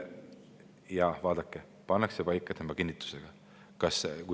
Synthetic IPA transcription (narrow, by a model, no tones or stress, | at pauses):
jɑvɑːd̪̥ɑkːe | pɑnːɑksepɑjkːˑɑt̪ʰemːɑkinʲːit̪ːˑu̥seɡ̥ɑ | kɑsku